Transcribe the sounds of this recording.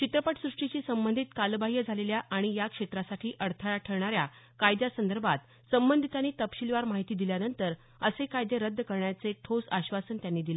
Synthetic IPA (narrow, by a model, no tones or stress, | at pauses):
t͡ɕit̪ɾəpaʈsɾuʂʈit͡ɕiːsəmbənd̪ʱiːt̪kalbaɦjəd͡zʱaleljaʔaɽ̃ijakʂet̪ɾasaʈʰiːʔəɾt̪ʰəɭaʈʰəɾɳaɾja | kajd̪jasənd̪əɾbʱat̪ | səmbənd̪ʱit̪aniːt̪əpɕilʋaɾmaɦit̪iːd̪iljanənt̪əɾ | əsekajd̪eɾəd̪ʱːəkəɾɳjat͡seʈʰod͡zaɕʋasənt̪janːiːd̪ile